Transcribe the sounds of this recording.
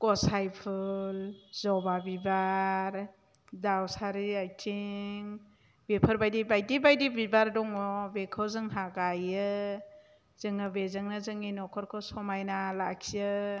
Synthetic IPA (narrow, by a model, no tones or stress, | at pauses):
kɔsajpʰɯlzɔbabibaɾ | dawsaɾiajtʰiŋ | bepʰɯɾbajdibajdibajdibibaɾdɔŋɔbekʰɔwzɯŋɦaɡajɯ | z̥ɯŋɯbezɯŋnazɯŋinɔkʰɔɾkʰɔsɔmajnalakʰijɯ